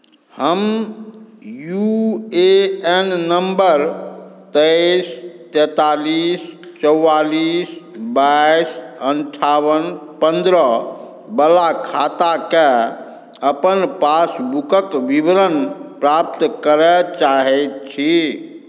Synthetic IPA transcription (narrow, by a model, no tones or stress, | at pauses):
həm | jueenːəmbəɾt̪əst̪ɛt̪aliːs | t͡ʃəwːaliːsbajisənʈʰawənpənd̪ɾə | bəlakʰat̪ake | əpənpasbukəkʋibɾənpɾap̚t̪kəɾɛt͡ʃaɦɛt̪̚t͡ʃʰi